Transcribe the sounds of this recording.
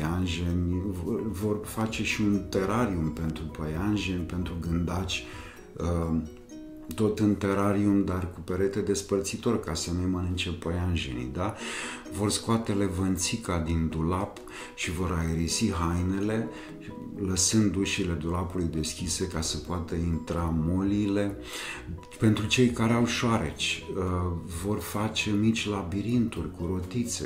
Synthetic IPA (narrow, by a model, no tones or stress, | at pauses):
anʒenʲ | vo̞rfat͡ʃe̞ʃiunt̪e̞ɾaɾiumpe̞nt̪ɾupəjanʒenʲpe̞nt̪ɾuɡɨnd̪at͡ʃʲ | ə | t̪o̞t̪ɨnt̪e̞ɾaɾiumd̪arkupeɾe̞t̪e̞d̪e̞spərt̪sit̪o̞rkasənejmənɨnt͡ʃepəjanʒenḭjd̪avo̞rskoat̪e̞le̞vənt̪sikad̪ind̪ulap | ʃivo̞ɾajeɾisiɦajne̞le̞ | ləsɨnd̪uʃile̞d̪ulapulujd̪e̞skʲise̞kasəpoat̪əint̪ɾamo̞lile̞ | pe̞nt̪ɾut͡ʃe̞jkaɾeawʃoaɾe̞t͡ʃʲ | vo̞rfat͡ʃe̞mit͡ʃʲlabiɾint̪urʲkuɾo̞t̪it̪sḛ